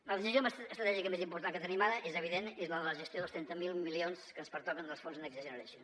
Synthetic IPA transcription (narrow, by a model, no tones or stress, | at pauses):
ləðizizjoməəst̪ɾət̪ɛʒikəmezimpuɾt̪aŋkət̪ənimaðəʔezəβiðenezləðələʒəst̪joðəst̪ɾɛnt̪əmilˠmilionskənspəɾt̪ɔkənd̪əlˠsfonznəkzəzənəɾəsjon